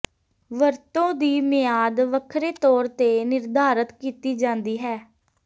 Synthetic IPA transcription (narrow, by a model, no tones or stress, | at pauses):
ʋəɾt̪õːd̪iːmɪjaːd̪ʋəkʰɾeːt̪ɔːɾt̪eːnɪɾd̪ʱaːɾət̪kiːt̪iːd͡ʒãːnd̪iːɦɛː